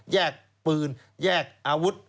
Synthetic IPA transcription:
jɛː˥˩k̚ | pɯː˨˧n | jɛː˥˩k̚ʔaː˧wu˦˥t̪̚

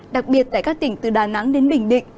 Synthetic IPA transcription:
ɗa˨˩k̚ɓi˨˩ət̚t̪a̰ː˧˨jkaː˦˥k̚t̪ï˧˩ŋ̟t̪ɨ˨˩ɗaː˨˩na˨˦ŋɗe˨˦nɓï˧˩ŋ̟ɗḭ̈˧˨ŋ̟

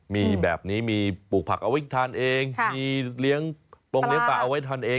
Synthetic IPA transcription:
miː˧bɛ̰ː˨˩p̚niː˦˥miː˧puː˨˩k̚pʰa˨˩k̚ʔa˧wa˦˥jt̪ʰaː˧nʔeː˧ŋmiː˧li˦˥əŋpo˧ŋli˦˥əŋpaː˧˩ʔa˧wa˦˥jt̪ʰaː˧nʔeː˧

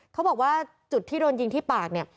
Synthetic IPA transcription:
kʰa˦˥wbɔː˨˩k̚waː˥˩ | t͡ɕu˨˩t̪ʰːiː˥˩doː˧nji˧ŋt̪ʰiː˥˩paː˨˩k̚ni˥˩ɐ

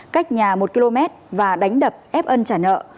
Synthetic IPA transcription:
ka˦˥jk̟̚ɲaː˨˩mo˨˩t̚ki˧lo˧mɛ˦˥t̚vaː˨˩ɗa˨˦jŋ̟ɗə˨˩p̚ʔɛ˦˥p̚ʔə˧nt͡ɕaː˧˩nə̰ː˧˨

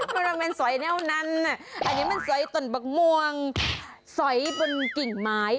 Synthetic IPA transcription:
ma˧˩a˧me˧nsɔ˨˦jnɛː˧˥˩wna˧nːa˨˩ʔa˧nːi˦˥ma˧˨nsɔ˩˦jt̪o˨˩nbɔ˨˩k̚mu˧əŋ | sɔ˩˦jbo˧nki˨˩ŋmaː˦˥j

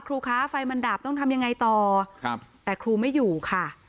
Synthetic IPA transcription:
kʰɾuː˧kʰaː˦˥fa˧jma˧ndaː˨˩p̚t̪ɔ˥˩ŋt̪ʰa˧mja˧ŋːa˧jt̪ɔː˨˩˧ | t̪ɛː˨˩kʰɾuː˧ma˥˩jːuː˨˩kʰa˥˩

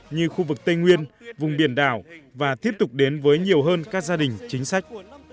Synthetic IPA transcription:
ɲɨ˧xu˧vɨ˨˩k̚t̪ə˧jŋwi˧ənvʊ˨˩ŋ͡mɓi˧˩ənɗa̰ː˧˩wvaː˨˩t̪ʰi˦˥əp̚t̪ʊ˨˩k͡p̚ɗe˨˦nvəː˨˦jɲi˨˩əwɦəː˧nkaː˦˥k̚zaː˧ɗï˨˩ŋ̟t͡ɕï˨˦ŋ̟sa˦˥jk̟̚

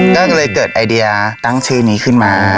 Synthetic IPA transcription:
kɔː˥˩ka˧lɤː˧jkɤː˨˩t̪̚ʔa˧jdi˧a˧t̪a˥˩ŋt͡ɕʰɯː˥˩niː˦˥kʰɯ˥˩nmaː˧

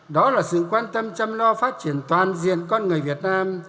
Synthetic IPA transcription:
ɗɔ˨˦laː˨˩sɨ̰˧˨kwaː˧nt̪ə˧mt͡ɕə˧mlɔ˧faː˦˥t̚t͡ɕi˧˩ənt̪waː˨˩nzḭ˧˨ənkɔ˧nŋɨ˨˩əjvi˨˩ət̚naː˧m

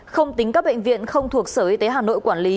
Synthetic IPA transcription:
xə˧wŋ͡mt̪ï˨˦ŋ̟kaː˦˥k̚ɓə̰˧˨ŋ̟vḭ˧˨ənxə˧wŋ͡mt̪ʰu˨˩ək̚səː˧˩ʔi˨˦t̪e˨˦ɦaː˨˩no̰˧˨jkwaː˧˩nli˨˦

